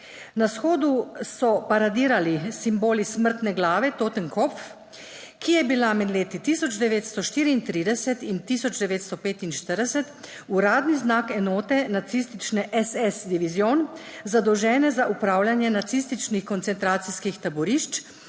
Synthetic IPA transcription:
nasxoːd̪usɔpaɾad̪iːɾalisimboːlisməɾt̪nɛɡlaːʋɛt̪oːt̪ənkɔpf | kijɛbilamɛd̪leːt̪it̪iːsɔd͡ʒd̪ɛʋeːt̪st̪ɔʃt̪iːɾiːnt̪ɾiːd̪ɛsɛt̪int̪isɔd͡ʒd̪ɛʋeːt̪st̪ɔpeːt̪inʃt̪əɾd̪ɛsɛt̪ | uɾaːd̪niznaːkɛnɔːt̪ɛnat̪sist̪it͡ʃnɛʔɛsɛsd̪iʋizjoːnzad̪ɔwʒɛːnɛzaʔupɾaːwlʲjanjɛnat̪sist̪it͡ʃnixkɔnt̪sɛnt̪ɾaːt̪siskixt̪abɔɾiʃt͡ʃ

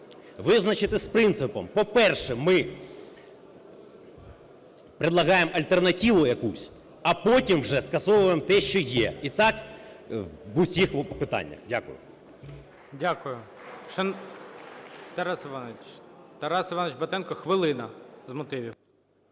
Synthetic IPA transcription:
ʋɪznɐt͡ʃɪt̪ɪspɾɪnt̪sɪpɔmpɔpɛrʃɛmɪ | pɾɪd̪lˠɐɦɑjemɐlʲt̪ernɐtʲiʋʊjɐkusʲ | ɐpɔtʲimwʒɛskɐsɔʋʊjemt̪ɛʃt͡ʃɔjɛit̪ɑk | ʋʊsʲixpɪt̪ɑ̰nʲːɐ̰xdʲakʊ̰jʊ̰ | dʲakʊjʊ | ʃt͡ʃɔn | t̪ɐɾɑsɪʋɑnet͡ʃt̪ɐɾɑsɪʋɑnet͡ʃbɐt̪ɛnkɔxʋɪlˠɪnɐzmɔt̪ɪʋʲiw

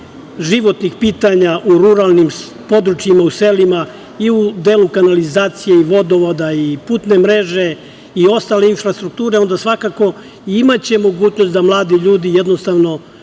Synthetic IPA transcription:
ʒiʋo̞t̪nixpiːt̪aɲaʔuɾuɾalˠnim | po̞d̪ɾut͡ʃjimauselima | iud̪eːlukanalizaːt̪sije̞iʋo̞d̪o̞ʋod̪aipuːt̪nemɾeʒe̞ | io̞st̪ale̞infɾast̪ɾuk̚t̪uːɾe̞o̞nd̪asʋakako̞ | iimat͡ɕe̞mo̞ɡuːt͡ɕno̞st̪d̪amlˠaːd̪iʎuːd̪ijed̪nost̪aʋno̞

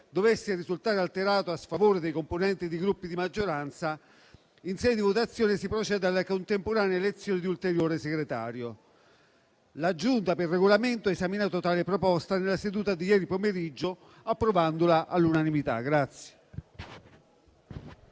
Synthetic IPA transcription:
d̪ovesːerizult̪aːɾealt̪eɾaːt̪oasfavoːɾed̪ejkomponɛnt̪id̪iɡɾupːid̪imad͡ʒːoɾant̪sa | insɛjd̪ivot̪at̪sːjɔːnɪsipɾot͡ʃɛd̪ealːakont̪empoɾaːneelet̪sːjɔːnɪd̪iult̪eɾjoːɾeseɡɾet̪a̰ːɾjo | lad͡ʒunt̪aperːeɡolament̪oɛezaminaːt̪ot̪aːlepɾopɔst̪anelːased̪uːt̪ad̪ijɛːɾipomeɾid͡ʒːo | apːɾovand̪olaʔalːunanimit̪a̰ɡɾat̪sːje̥

